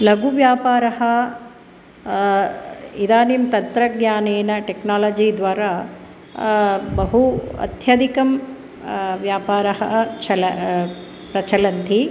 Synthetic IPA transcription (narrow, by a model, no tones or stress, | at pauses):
lɐɡuʋjaːpaːɾɐɦɐ̆ | id̪aːnimt̪ɐt̪ɾɐɡɲaːneːnɐʈeknaːlɐːd͡ʒiːd̪ʋaːɾa | bɐɦuɐ̰t̪ʰjɐd̪ikɐm | ʋjaːpaːɾɐɦɐ̰t͡ʃʰɐlɐ | pɾɐt͡ʃʰɐlɐnt̪ʰi